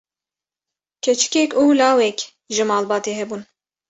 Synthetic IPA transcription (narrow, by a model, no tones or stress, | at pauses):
kʰɛt͡ʃʰɪ̥kʲɛkʲuːlɑːwɛkʲ | ʒɨmɑːlbɑːt̪eːɦɛbuːn